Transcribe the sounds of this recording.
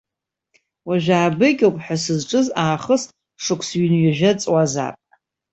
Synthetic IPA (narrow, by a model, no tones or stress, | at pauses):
waʒᶣaːbɨkʲʼowpʼħʷasɨzʈ͡ʂʼɨzaːχəsʼ | ʂɨkʷʰsɥinɥaʒᶣat͡sʼwaza̰ːpʼ